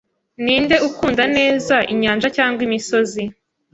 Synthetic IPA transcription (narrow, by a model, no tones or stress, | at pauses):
niːnde̞ukuːndane̞ːzaʔiɲaːnd͡ʒacaːŋɡwimiso̞zi